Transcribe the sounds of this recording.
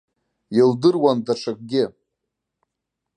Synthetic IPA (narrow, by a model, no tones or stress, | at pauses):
jildɨrwandaʈ͡ʂʰak̚ɡʲɪ